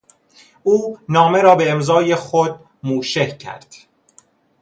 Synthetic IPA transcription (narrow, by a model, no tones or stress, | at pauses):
ʔuːnɒːme̞ɾɒːbe̞ːmzɒːjexod̪̚ | muːʃehcʰæ̰ɾd̪̥